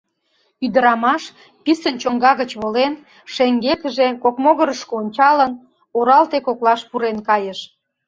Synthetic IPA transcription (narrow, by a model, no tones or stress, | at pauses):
yd̪əɾɑmɑʃ | pisənt͡ɕoŋɡɑɣət͡ɕβolen | ʃeŋɡekəʒekokmoɣəɾəʃkoonʲt͡ɕɑlən | oɾɑlt̪ekoklɑʃpuɾenkɑjəʃ